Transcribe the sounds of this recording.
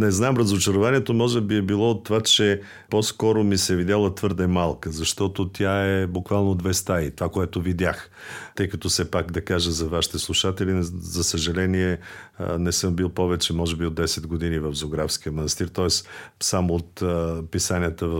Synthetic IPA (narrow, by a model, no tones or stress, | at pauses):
nɛznaɛmɾɐzot͡ʃɐɾovaniɛt̪omɔʒɛbiɛbilˠɔot̪ːovat͡ʃɛ | pɔskɔɾomisɛvid̪ʲjalˠət̪vɤɾd̪ɛmalˠkəzɐʃt̪ɔt̪ot̪ʲjaɛbukvalˠnod̪vɛst̪ait̪ovakoɛt̪ovid̪ʲax | t̪ɤjkɐt̪ɔfsɛpakd̪ɐkaʒəzɐvaʃi̥t̪ɛslˠuʃat̪ɛlizɐsəʒɐlɛniɛ | nɛsɤmbilˠpɔvɛt͡ʃɛmɔʒɛbiod̪ːɛsɛd̪ɡod̪inivɐfzoɡɾafsk̟iəmɐnɐst̪iɾt̪ɔɛssamoːt̪pisanijət̪əv